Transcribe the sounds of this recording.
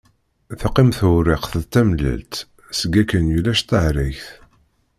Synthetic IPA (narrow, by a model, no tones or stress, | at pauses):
θəqːimθʊɾɪqθəðt̪ːæmlæ̰lt̪ | səɡækːənjulæʃt̪əʕɾæjθ